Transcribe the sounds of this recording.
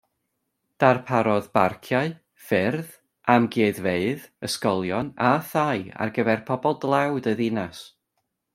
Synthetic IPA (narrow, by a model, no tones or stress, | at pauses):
d̥arpʰaɾɔðbarkʰjaɨ | fɪrð | ʔamɡeːðveɨðəskɔlˠjɔnaθaja̰rɡəvɛrpʰɔbɔlˠdlˠawdəðɪnas